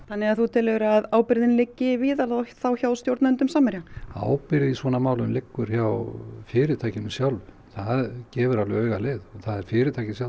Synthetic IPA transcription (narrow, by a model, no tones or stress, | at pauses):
θanːɪɣaðθut̪ʰɪlɛʏɾaðaːwpɪɾðɪnlɪcːɪviːðaɾðoθawçawst̪jowɾt̪aʏnt̪ʏmsaːmɛɾjaa̰ːwpɪɾɪðisvɔːnamaːwlʏmlɪkːʏɾ̥çawfɪːɾɪt̪ʰajcɪnʏmsjawlvʏ | θaðcɛːvʏɾalvɪœːɥɣaleːðɔθaðɛɾ̥fɪːɾɪt̪ʰajcɪsja